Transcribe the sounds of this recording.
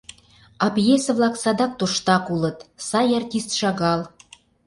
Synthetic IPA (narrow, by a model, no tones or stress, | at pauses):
ɑbjesə̆vlɑksɑd̪ɑk̚t̪oʃt̪ɑkulɤ̆t̪sɑjɑrtʲist̪ʃɑɣɑl